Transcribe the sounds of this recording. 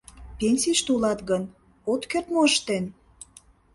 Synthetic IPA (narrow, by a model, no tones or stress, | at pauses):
pʲenʲsʲiʃt̪ulɑt̪ɣən | ot̪kert̪moəʃt̪en